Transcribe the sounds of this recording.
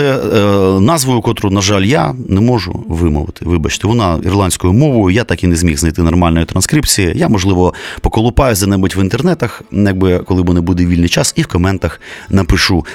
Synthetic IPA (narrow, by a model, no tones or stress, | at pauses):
ɛ | nɑzʋɔjʊkɔt̪ɾʊnɐʒɑlʲjanɛmɔʒʊ̰ʋɪmɔ̰ʋɪ̰t̪ɪ̥ʋɪbɐt͡ʃɪ̥t̪ɪʋɔnɑḭrlˠɑnʲsʲkʊjʊmɔʋʊjʊjat̪ɑkinezʲmʲiɣznɐjt̪ɪnɔrmɑlʲnɔjʊt̪ɾɐnskɾʲipt͡sʲijijamɔʒlˠɪʋɔpɔkɔlˠʊpɑjʊzʲd̪ɐnɛbʊtʲʋɪnt̪ernɛt̪ɐxjaɡ̚bɪkɔlˠɪbʊnɛbud̪eʋʲilʲnɪjt͡ʃɑsiwkɔmɛnt̪ɐxnɐpɪʃu